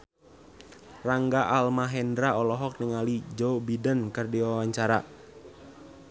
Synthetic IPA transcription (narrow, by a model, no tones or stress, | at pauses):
raŋɡaʔalmaɦɛndɾaɔlɔɦɔk̚nəŋalid͡ʒobidənkərdiwawaɲt͡ʃaɾa̰